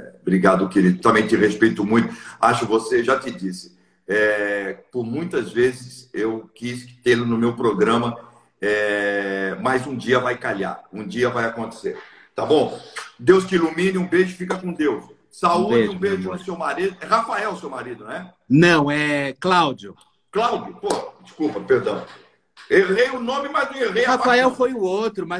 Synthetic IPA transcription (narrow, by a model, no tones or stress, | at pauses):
ɛ̰bɾiɡad̪ʊkeɾid̪ʊt̪ɐ̃mẽj̃t̪ɪʁespejt̪ʊmũj̃t̪ʊaʃʊkɪvoseʒat̪ɪd͡ʒisɪ̥ | ɛpʊɾmũj̃t̪ɐzvezɪsewkiskɪ̥t̪ẽlɐnʊmewpɾoɡɾɐ̃mɐ | ɛ | mɐjzũd͡ʒiɐvajkaʎa̰ɾũd͡ʒiɐvajakõnt̪e̥sḛɾ | t̪abõw̃d̪ewskɪilumĩnɪũbeʒʊfikɐkõd̪ews | sauleũbeʒʊʊsewmaɾid̪ʊɛhafaɛwsewmaɾid̪ʊñɛ | nɐ̃w̃ɛklawd͡ʒʊ | klawd͡ʒʊpoɐd͡ʒɪskupɐpeɾd̪ɐ̃w̃ | ewlejʊʊnõmɪmajzd̪ĩafaaɛwfojʊ̃owt̪ɾʊmɐ